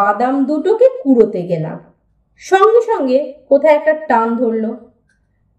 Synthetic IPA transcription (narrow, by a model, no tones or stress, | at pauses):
ad̪amd̪uʈokekuɾot̪eɡela̰m | ʃɔŋɡiʃɔŋɡekot̪ʰaeɛk̚ʈaʈand̪ʱoɾlo